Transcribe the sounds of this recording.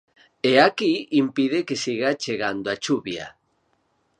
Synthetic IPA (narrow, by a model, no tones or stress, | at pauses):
eakiimpiðekesiɣat͡ʃeɣand̪oat͡ʃuβja̰